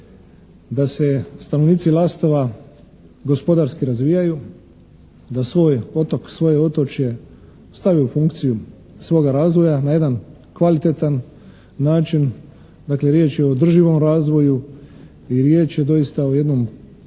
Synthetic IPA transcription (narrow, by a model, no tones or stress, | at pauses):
d̪ase̞st̪anoʋniːt̪silˠaːst̪o̞ʋa | ɡo̞spo̞d̪aɾskiɾazʋijaju | d̪asʋo̞ːjo̞t̪o̞ksʋo̞je̞o̞t̪ot͡ʃje̞ | st̪aʋiufuŋkt̪siju | sʋo̞ːɡaɾaːzʋo̞janaje̞d̪an | kʋalit̪e̞t̪anː | aːt͡ʃin | d̪akle̞ɾje̞ːt͡ʃjeoːd̪r̩ʒiʋo̞mɾaːzʋo̞ju | iɾje̞ːt͡ʃjed̪o̞jist̪ao̞je̞d̪no̞m